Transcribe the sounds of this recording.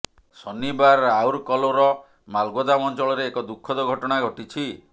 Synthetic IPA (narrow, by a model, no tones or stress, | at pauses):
sɔnibaɾawɾkɔloɾɔ | malɡɔd̪amɔnt͡ʃɔɭɔɾeːkɔd̪ukʰːɔd̪ɔɡʱɔʈɔɽ̃aɡʱɔʈit͡ʃʰi